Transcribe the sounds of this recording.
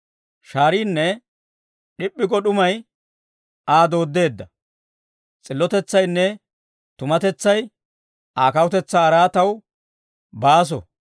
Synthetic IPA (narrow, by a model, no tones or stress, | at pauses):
ʃaːɾiːnːɛ | ɗɪpʼːɪɡɔɗʊmɐj | aːd̪o̞ːd̪ːe̞ːd̪ːɐ | t͡sʼɪlːɔt̪ɛt͡sːɐjnːɛ | t̪ʊmɐt̪ɛt͡sːɐj | aːkɐwʊt̪ɛt͡sːaːɾaːt̪ɐw | baːs̬ɔ̰